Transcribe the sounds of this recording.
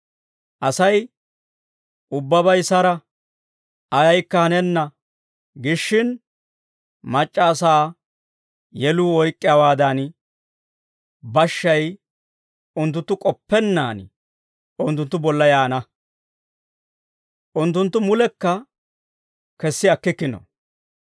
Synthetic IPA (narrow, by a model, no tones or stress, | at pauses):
ʔɐsɐj | ʔʊbːɐbɐjsɐɾɐ | ɐjɐjkːɐhɐnɛnːɐ | ɡɪʃːɪn | mɐt͡ʃʼːaːsaː | jɛluːɔjkʼːɪjawaːd̪ɐn | bɐʃːɐj | ʊnt̪̬ːʊnt̪ːʊkʼɔpːɛnːaːn | ʊnt̪ːʊnt̪ːʊbɔlːɐjaːnɐ | ʔʊnt̪ːʊnt̪ːʊmʊlɛkːɐ | kɛsːɪɐkːɪkːɪnɔ̰